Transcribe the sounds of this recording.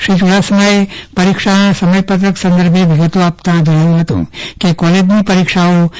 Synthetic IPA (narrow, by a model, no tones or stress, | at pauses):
ʃit͡ʃuɽasəməjpɐɾikʂasɐməjpət̪ɾəksɐ̃nd̪əɾbʱeʋiɡət̪oaːpt̪ãd̪ʱuɾaʋũɦɐt̪õ̰kekɔled͡ʒnipɐɾikʂao